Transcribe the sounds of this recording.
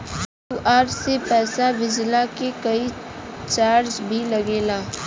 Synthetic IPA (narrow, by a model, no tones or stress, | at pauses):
juːʔaːɾsepɛːsabɪd͡ʒlakekɐi | t͡ʃaːɾd͡ʒbʱilɐɡeːlaː